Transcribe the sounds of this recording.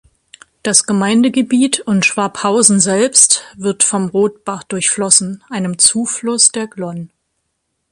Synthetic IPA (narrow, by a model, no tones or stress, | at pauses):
d̥asɡ̥əmaɪndəɡəbiːtʊntʃv̥aɐphaʊzn̩zɛlpstv̥ɪɐtfɔmʁoːt̚b̥aχd̥ʊɐçflɔsn̩ʔaɪnəmt͡suːflʊsd̥eːɐɡlɔn